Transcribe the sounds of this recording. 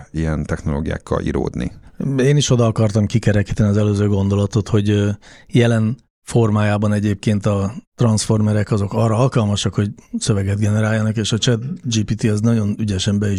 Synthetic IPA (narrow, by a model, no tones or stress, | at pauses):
iɛnt̪ɛxnolo̰ːɡija̰ːkːɒ̰lʔḭɾo̰ːd̪nḭeːniʃo̞d̪ɒːkɒrt̪ɒmkikɛɾɛkiːt̪ɛniɒzɛløːzøːɡo̞nd̪o̞lɒt̪o̞t̪ho̞ɟjɛlɛn | fo̞rmaːjaːbɒnɛɟeːp̚keːnt̪ɒt̪rɒnsfo̞rmɛɾɛkɒzo̞kɒrːɒɒlkɒlmɒʃɒkho̞ɟsø̞vɛɡɛd̪ɡɛnɛɾaːjːɒnɒkeːʃɒt͡ʃɛt̪d͡ʒipiːt̪iɛznɒɟo̞nyɟɛʃɛmbɛi